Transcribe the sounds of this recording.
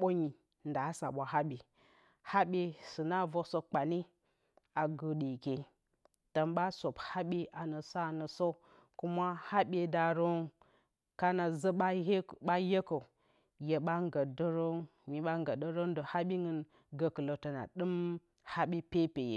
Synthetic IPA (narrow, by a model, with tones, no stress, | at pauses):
ɓo˦ɲi˨ | nda˨˦sa̰˨ɓʷa˨ɦa˦ɓi˨ | ha˦ɓe˦sɨ˨na˦˨vo˦so˦k͡pa˨ni˦ | a˨ɡə˨ɗi˨ke˨ | tə˨mɓa˦so˨bha˦ɓi˦ʔa˨nə˨sa˦˨nə˨so˦ | ku˦ma˦ha˦ɓʲe˨da˨ɾo˦n | ka˦na˨zə˦ɓa˦˨ɓa˦je˦ko˨ | je˨ɓa˦ŋɡə˨də˦ɾo˦n | ɲi˨ɓa˦ŋɡə˨də˦ɾo˦n˦də˨ha˦ɓi˦ŋɨ˦n | ɡə˨kə˨lo˨tə˨na̰˨ɗɨ˦m | ha˦ɓi˦pe˦pe˨jḛ˨